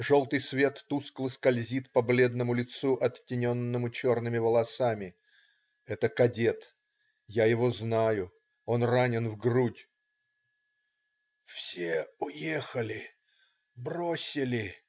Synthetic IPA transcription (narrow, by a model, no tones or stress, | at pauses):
ʐo̞lˠt̪ɨjsvʲe̞t̪ːusklˠɨskɐlʲzʲit̪pɐblʲe̞d̪nəmʊlʲɪt̪suʔɐtʲːɪnʲo̞nːəmʊt͡ɕo̞rnɨmʲɪvəlˠɐsamʲɪ | ɛt̪əkɐdʲe̞t̪ | jajɪvo̞znajʊ | o̞nranʲɪnvɡrudʲ | fsʲeʊjexəlʲɪ | brosʲɪlʲɪ